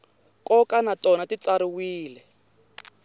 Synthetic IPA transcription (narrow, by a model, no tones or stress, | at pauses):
kɔkanatɔnatit͡saɾiwiːlɛ